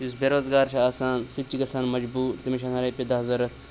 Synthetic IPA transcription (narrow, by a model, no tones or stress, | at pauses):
jus̬beɾoːzɡaːɾt͡ʃʰiaːsaːnsit͡ʃːiɡɐsaːnmɐd͡ʒbuːɾt̪imiʃɐnɐɾɐːpʲid̪ɐɦɐzɐɾɐt̪ʰ